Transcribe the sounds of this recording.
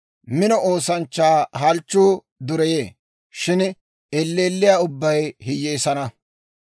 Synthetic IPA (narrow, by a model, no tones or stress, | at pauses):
mɪnɔʔo̞ːsɐnt͡ʃːaːɦɐlt͡ʃːuː | d̪ʊɾɛjeː | ʃɪn | ɛlːeːlːɪjaːʊbːɐjhɪjːeːsɐnɐ